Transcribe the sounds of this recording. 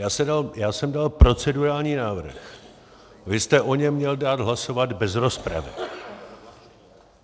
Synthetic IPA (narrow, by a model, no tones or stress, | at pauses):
jaːsɛdaljaːsɛmdalpɾo̞t͡sɛduɾaːlɲiːnaːvr̩x | vɪst̪ɛʔo̞ɲɛmːɲɛldaːd̪ɦlaso̞vad̪bɛzɾo̞spɾa̰vɪ̰